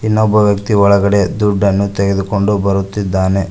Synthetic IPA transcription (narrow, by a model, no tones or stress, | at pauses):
inːɔbːɐʋjɐk̚t̪iʋɐɭɐɡɐɽe̞d̪uɖːɐnːut̪eɡe̞d̪uko̞ɳɖubɐɾut̪ːid̪ːaːne